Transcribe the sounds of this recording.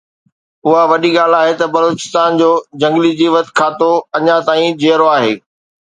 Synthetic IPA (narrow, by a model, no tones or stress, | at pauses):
ʊɦaʋɐɗiɠaːl̤aːɦet̪ɐbɐloːt͡ɕɪ̥st̪aːnd͡ʑoːd͡ʑɐ̃ŋɡlid͡ʑiːʋət̪̆kʰaːt̪oɐɲãt̪aːĩd͡ʑeːɾoaːɦeː